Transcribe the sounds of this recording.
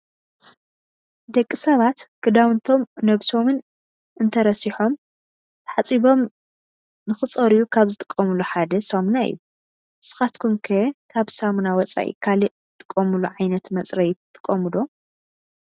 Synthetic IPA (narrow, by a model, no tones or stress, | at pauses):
d̪ɐkʼːisɐβat̪kɨd̪awɨnt̪ʰo̞mnɐβso̞mɨn | ʔɨnt̪ʰɐɾɐsiħo̞m | t̪ʰɐħat͡sʼiβo̞m | nɨxɨt͡sʼɐɾijukʰaβzɨt̪ʼɨ̥kʼːɐmuluħad̪ɐsɐmnaḭjːu | sɨ̥xat̪kʰumkʰɐkʰaβsamunawɔt͡sʼa̰ʔḭkʰali | t̪ʼɨ̥kʼːɐmuluʕajnɐt̪mɐt͡sʼɾɐjt̪t̪ʰʼːɨ̥kʼːɐmɨlo̞